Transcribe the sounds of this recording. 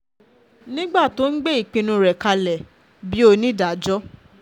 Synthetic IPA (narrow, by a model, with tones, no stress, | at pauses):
nĩ˦ɡ͡ba˦˨to˨˦n̩˦ɡ͡be˦i˦˨k͡pĩ˧nũ˧ɾɛ˨ka˧lɛ˨ | bi˨˦o˧nĩ˦da˨d͡ʒɔ˦